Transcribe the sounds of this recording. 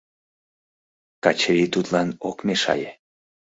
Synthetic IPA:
kɑt͡ɕəβit̪ut̪lɑnokmeʃɑ̰je

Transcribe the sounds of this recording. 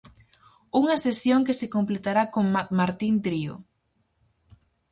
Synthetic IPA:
uŋɐsesjoŋkesekomplet̪aɾakoŋamaɾt̪int̪ɾio̰

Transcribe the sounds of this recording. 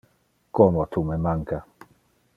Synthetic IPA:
komot̪umemaŋka

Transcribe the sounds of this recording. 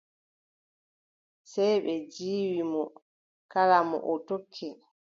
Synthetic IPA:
sɛjɓɛd͡ʒiːwimɔ | kalamɔ̰ʔɔtokʰːɛ

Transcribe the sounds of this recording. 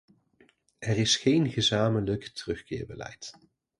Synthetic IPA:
ɛrɪsχejnɣəzaːmənləktərɵχkɪːɹbəlɛ̰jt

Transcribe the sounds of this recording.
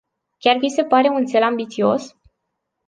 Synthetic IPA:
kʲarvise̞paɾe̞unt̪se̞lambit̪sio̞s

